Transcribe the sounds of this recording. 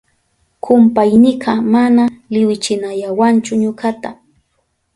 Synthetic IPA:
kʰʊmpajnɪɢɑmanalɪwɪt͡ʃɪnajawant͡ʃʊɲʊɢat̪a

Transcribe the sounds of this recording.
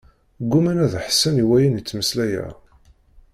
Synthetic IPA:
ɡːumænæðħsːæniwæjænjət͡sːməslæjæ̰

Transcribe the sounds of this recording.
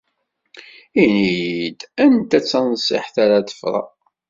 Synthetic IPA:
inijd̪ænt̪æt͡sːænsˤːḭħθaɾaðə̥fɾˤɑ̰

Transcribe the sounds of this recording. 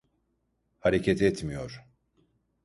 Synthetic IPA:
haɾecʰet̪ʰɛt̪mijo̞ɾ̥

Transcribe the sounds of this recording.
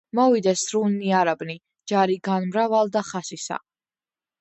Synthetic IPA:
mɔvid̪ɛsɾuniaɾabni | d͡ʒaɾiɡanmɾavalˠd̪aχasisa̰

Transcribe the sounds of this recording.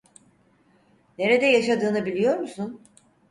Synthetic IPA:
neɾed̪ɛjaʃad̪ɯːnɯbilʲijo̞ɾmusun

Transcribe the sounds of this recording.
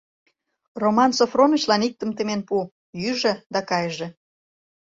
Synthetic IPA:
romɑnsofronə̆t͡ɕlɑnik̚t̪ə̆mt̪emenpu | jyʒĕd̪ɑkɑjʒĕ

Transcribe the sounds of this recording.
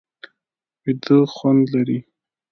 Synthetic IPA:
wɪd̪əxwand̪laɾi

